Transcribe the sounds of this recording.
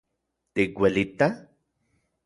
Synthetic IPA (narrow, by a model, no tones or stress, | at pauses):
t̪ikwelit̪a